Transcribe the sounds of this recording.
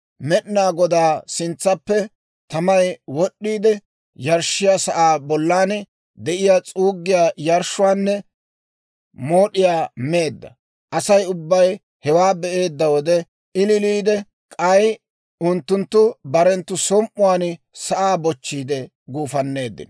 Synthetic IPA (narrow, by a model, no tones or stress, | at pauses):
mɛɗɪnaːɡɔd̪aːsɪnt͡sːɐpːɛ | t̪ɐmɐjwɔɗːiːd̪ɛ | jɐɾʃːɪjaːsɐʔaːbɔlːaːn | d̪ɛʔɪjaːt͡sʼuːɡːɪjaːjɐɾʃʊwaːnːɛ | moːɗɪjaːme̞ːd̪ːɐ̰ | ʔɐsɐjʊbːɐj | hɛwaːbɛʔe̞ːd̪ːɐwɔd̪ɛ | ɪlɪliːd̪ɛ | kʼɐj | ʊnt̪ːʊnt̪ːʊbɐɾɛnt̪ːʊsɔmʔːʊwaːn | sɐʔaːbɔt͡ʃːiːd̪ɛ | ɡuːfɐnːe̞ːd̪ːɪ̰nɐ